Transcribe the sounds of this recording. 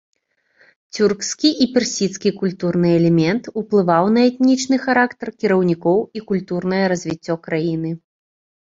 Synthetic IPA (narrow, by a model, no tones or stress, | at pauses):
t͡sʲurkskʲiʔipʲɛrsʲit̪skʲikulʲt̪urnɨɛlʲɛmʲɛnt̪uplˠɨvawnɐɛt̪nʲit͡ʂnɨxɐɾakt̪ɐrkʲiɾɐwnʲikɔwikulʲt̪urn̪ɐjɐɾɐzʲvʲit͡sʲːɔkɾajinɨ